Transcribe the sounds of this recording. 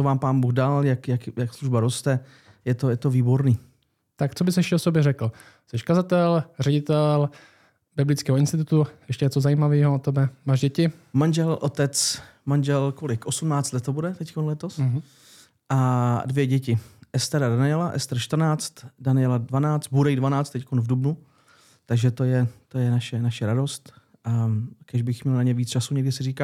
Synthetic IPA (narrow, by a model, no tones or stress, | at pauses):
t͡sovaːmpaːnbuːɣdaljakjakjaksluʒbaɾost̪ɛ | jɛt̪ojɛt̪oviːbo̞ɾniː | t̪akt͡sobɪsɛʃɛʔosobjɛɾɛkl̩ | sɛʃkazat̪ɛlrɛɟɪt̪ɛl | bɪblɪt͡skɛːɦoɪnst̪ɪt̪ut̪ujɛʃcɛjɛt͡sozajiːmaviːɦoot̪ɛbɛmaːʒɟɛcɪmanʒɛlʔot̪ɛt͡s | manʒɛlkolɪkʔosumnaːt͡st̪lɛt̪hobudɛt̪ɛckonlɛt̪os | ʔadvjɛɟɛcɪʔɛst̪ɛɾadanɪɛlaʔɛ̰st̪ɛɾʃt̪r̩naːt͡st̪danɪɛladvanaːt͡st̪̚buɾɛidvanaːt͡st̪ːɛckonvdubnu | t̪aɡʒɛt̪ojɛt̪ojɛnaʃɛnaʃɛɾado̞st̪ | akɛʒbɪxmɲɛlnaɲɛviːt͡st͡ʃasuɲɛɡdɪsɪriːkaː